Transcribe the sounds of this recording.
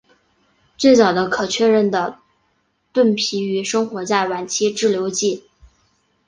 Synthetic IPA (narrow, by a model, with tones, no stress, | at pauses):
t͡swe˥˩ɪt͡sɑ˨˩ʊd̪ə˦kʰɤ˨˩t͡ɕʰɥɛ˥˧ɻə˥˩nd̪ə˩ | t̪wə˥˩npʰi˧˥y˧˥ʂɤ˥ŋxwɔ˧˥t͡ɕa˥˩ɪwa˨˩nt͡ɕʰi˥ʈ͡ʂɻ̩˥˩ljo˧˥ʊt͡ɕi˥˩